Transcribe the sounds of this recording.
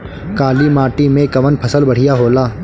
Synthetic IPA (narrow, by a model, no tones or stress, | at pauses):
kaːlimaːʈimẽkɐʋənpʰɐsəlbɐɽ̤ijaɦoːlaː